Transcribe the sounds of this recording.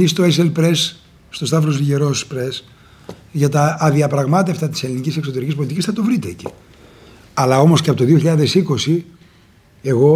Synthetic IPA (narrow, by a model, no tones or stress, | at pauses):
ist̪o̞eselpɾe̞s | st̪o̞st̪ɐfɾoziʝeɾospɾes | ʝɐt̪ɐːðiɐpɾɐɣmɐt̪eft̪ɐt̪i̥se̞linicise̞kso̞t̪e̞ɾicispo̞lit̪icisθɐt̪o̞vɾit̪ḛːci̥̰ | ɐlɐo̞mo̞sceɐpot̪oðioçiʎɐðe̞siko̞si | e̞ɣo̞